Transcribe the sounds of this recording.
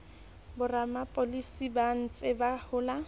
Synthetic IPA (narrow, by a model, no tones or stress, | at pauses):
bʊramapʼolisiban̩t͡sʼɪbahʊːla